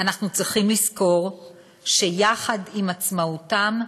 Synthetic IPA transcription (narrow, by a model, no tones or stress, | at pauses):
anaχnut͡sʁiχimlisko̞ʁ | ʃe̞jaχadimat͡smautam